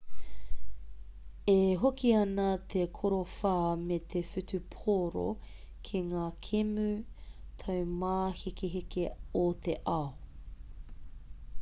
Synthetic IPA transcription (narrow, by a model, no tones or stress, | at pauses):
eɦokiɐnɐt̪ʰekʰoɾofaːmet̪ʰefytʉpʰoɾo̰ | kʰeŋaːkʰemʉtʰɐwmaːhikeɦikeot̪ʰeʔɐo